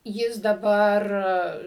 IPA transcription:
ˈjɪs dɐˈbɐr

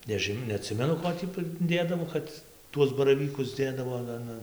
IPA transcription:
nʲɛˈʒʲɪn nʲɛɐˈtʲsʲɪmʲɛnʊ ˈkoː tʲiː pʲrʲɪˈdʲeːdɐʋoː ˈkɐt ˈtuɔs bɐrɐˈʋʲiːkʊs ˈdʲeːdɐʋoː ɐn ˈɐn ˈɐn

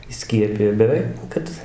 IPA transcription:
iːˈsʲkʲiɛpʲɪjɛ ɪr ɡʲɛˈrɐɪ nʊ ˈkɐt

